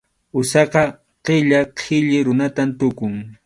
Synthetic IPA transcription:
ʊsɑqɑ | qeʎaqʰɪʎɪɾʊnat̪amt̪ʊkʊŋ

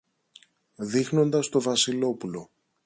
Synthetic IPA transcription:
ðixno̞nd̪ɐst̪o̞vɐsilo̞pulo̞

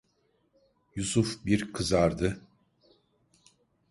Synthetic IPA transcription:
jusufbiɾkʰɯzaɾd̪ɯ

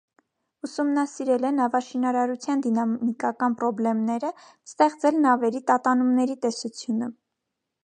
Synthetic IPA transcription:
usumnɑsiɾɛlɛnɑvɑʃinɑɾɑɾut͡sʰjɑnd̪inɑmikɑkɑnpɾɔblɛmnɛɾə | st̪ɛχt͡sɛlnɑvɛɾit̪ɑt̪ɑnumnɛɾit̪ɛsut͡sʰjunə

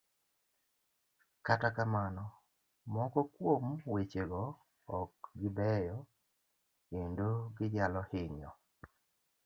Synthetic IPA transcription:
katakamanɔ | mɔkɔkwomwet͡ʃeɡɔː | k̚ɡɪbɛjɔ | endoɡɪd͡ʒalɔhɪɲɔ

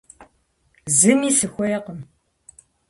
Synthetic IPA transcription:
zɨmiːsɨxʷɔjɛqəm

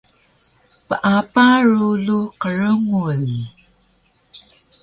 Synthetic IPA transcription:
pəʔapaɻuluqəɻəŋul

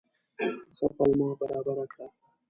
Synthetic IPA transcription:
safalmɑːbaɾɑːbaɾakɽa

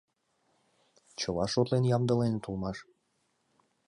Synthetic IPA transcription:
t͡ɕəlɑʃot̪lenjɑmd̪ə̆lent̪ulmɑʃ

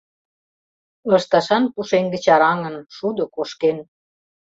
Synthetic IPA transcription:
lɤ̆ʃt̪ɑʃɑnpuʃeŋɡə̆t͡ɕɑɾɑŋə̆nʃud̪ŏkoʃken

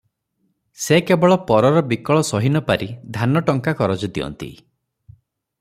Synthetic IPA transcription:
sekebɔɭɔpɔɾɔɾɔbikɔɭɔsɔɦinɔpaɾid̪ʱanɔʈɔŋkakɔɾɔd͡ʒud̪iɔ̰nt̪ḭ

